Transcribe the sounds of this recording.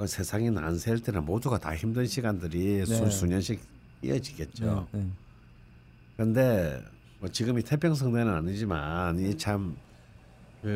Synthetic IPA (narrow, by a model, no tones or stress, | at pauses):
kɯsʰe̞sʰaŋina̰nsʰeɭt͈e̞nɯnmoduɡata̰çimdɯnɕʰiɡandɯɾisuɲʌnɕʰik̚ | hḭjʌd͡ʑiɡe̞t̚t͡ɕ͈o̰ | kɯɾɯnde̞ | mʌt͡ɕiɡɯmitʰe̞pʰjʌŋs̬ʰʌŋdenɯnaɲid͡ʑimanit͡ɕʰam | kɯ